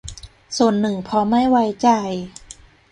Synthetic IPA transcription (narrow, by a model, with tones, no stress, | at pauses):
su˨˩ənːɯ˨˩ŋpʰɔ˧˦ma˥˩jwa˧jt͡ɕa˧j